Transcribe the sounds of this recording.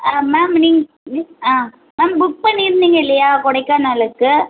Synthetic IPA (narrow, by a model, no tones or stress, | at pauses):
aːmeːmniːŋɡ | niaː | meːmbʊpːɐniːɾɯnd̪iːŋɡɐɪlːɐjaːkɔɽɐɪkːaːnaːlɯkːɯ